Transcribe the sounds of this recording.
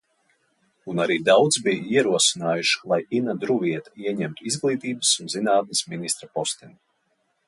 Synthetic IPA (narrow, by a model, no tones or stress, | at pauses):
unaɾiːd̪awd̪zbijaiɛɾuɔsinaːjuʃlˠajinad̪ɾuviɛt̪ḁiɛɲɛmt̪uizɡlˠiːt̪iːbɨsunzinaːt̪̚nisminist̪ɾapɔst̪in